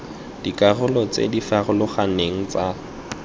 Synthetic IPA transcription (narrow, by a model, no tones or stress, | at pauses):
d̥ikʼarʊlɔt͡sḛdifarʊlʊχaneŋ̩t͡sa